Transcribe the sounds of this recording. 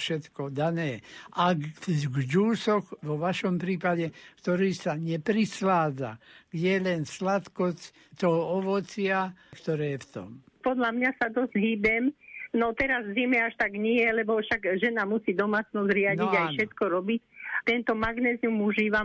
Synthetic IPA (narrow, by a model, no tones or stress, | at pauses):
ʃɛt̪kɔd̪anɛːʔaɡɡd͡ʒuːsɔxʋɔʋaʃɔmpɾiːpaɟɛkt̪ɔɾiːsaɲɛpɾislaːd͡za̰ɡ̥ɟɛɛlɛnslat̪kɔt͡s | t̪ɔɦɔɔʋɔt͡sɪakt̪ɔɾɛːjɛft̪ɔ̰m | pɔd̪ʎamɲasad̪ɔzɦiːbɛmnɔt̪ɛɾazzimɛaʃt̪aɡɲɛjɛlɛbɔfʃaɡʒɛnamusiːd̪ɔmaːt͡snɔzɾɪaɟ̪iajʃɛt̪kɔɾɔbict̪ɛnt̪ɔmaɡnɛːziumuʒiːʋa